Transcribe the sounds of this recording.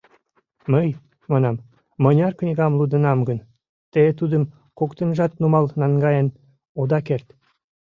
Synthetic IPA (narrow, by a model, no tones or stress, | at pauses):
məj | mɑnɑmː | ənʲɑrknʲiɡɑmlud̪ə̆nɑmɡən | t̪et̪ud̪ə̆m | kokt̪ə̆nʒɑt̪numɑlnɑnɡɑjən | od̪ɑkert̪